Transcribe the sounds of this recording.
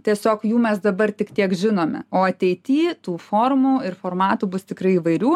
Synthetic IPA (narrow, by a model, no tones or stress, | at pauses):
t̪ʲiɛsʲoːkjuːmʲɛsd̪ɐbɐrt̪ʲɪkt̪ʲiɛkʒʲɪnoːmʲɛ̰oːɐt̪ʲɛɪt̪ʲiːt̪uːfoːrmuːɪrfoːrmɑːt̪uːbʊst̪ʲɪkɾɐɪiːʋɐɪɾʲuː